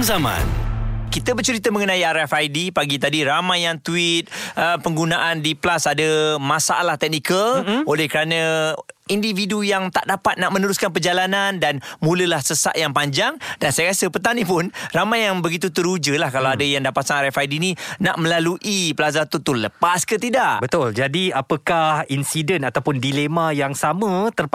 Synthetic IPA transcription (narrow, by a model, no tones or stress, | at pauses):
zamã̰nkit̪əbət͡ʃəɾit̪əməŋənãiaɾɛfajdipaɡit̪adiɾamãjaŋt̪uɪt̪̚əpəŋɡunaʔandiplasadəmãsaa̰laht̪ɛk̚nikəlolɛhkəɾanə̃individujaŋt̪a̰ʔdapat̪̚naʔmə̃nuɾuskanp̬ərd͡ʒalanandanmũləlahsəsa̰ʔjaŋpaɲd͡ʒaŋdansajakasəpət̪anipʊnramajaŋbəɡit̪̬ut̪əɾud͡ʒəlahkalawadəjaŋdapat̪sanɾɛfajdininaʔmə̃laluʔiplas̬zat̪ut̪uləpaskət̪idaʔbət̪ʊld͡ʒadiapəkahinsidənat̪awpʊndilemãjaŋsamə̃t̪ər